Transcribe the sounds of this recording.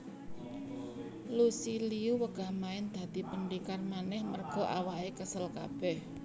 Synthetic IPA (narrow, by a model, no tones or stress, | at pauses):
lusiliuwəɡ̥a̤hmaɪnd̪̥ä̤d̪̥i̤pəɳɖikarmanɛhmərɡ̥ɔ̤ʔawaekəsəlka̰b̥ɛh